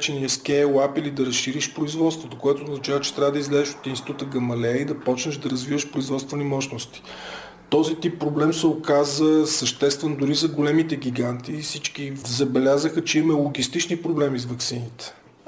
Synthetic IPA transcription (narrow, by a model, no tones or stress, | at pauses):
t͡ʃɛniəskɛjwapilid̪ɐɾəsʃiɾiʃpɾoizvɔt̪st̪vot̪okoɛt̪oːznɐt͡ʃavət͡ʃɛ̥t̪ɾʲavəd̪əizlɛzɛʃo̥t̪insi̥t̪ut̪əɡɐmɐlɛid̪ɐpɔt͡ʃnəʒd̪ɐɾɐzvivəʃpɾoizvɔt̪st̪vənimɔʃnost̪i̥ | t̪ɔzit̪ipːɾoblɛmsɛokazəsəʃt̪ɛst̪vɛnd̪ʊɾizɐɡolɛmit̪ɛɡʲiɡant̪iːsit͡ʃkizɐbɛlʲazəxət͡ʃɛimmɛlˠoɡʲist̪it͡ʃnipɾoblɛmizvɐksinit̪ɛ̥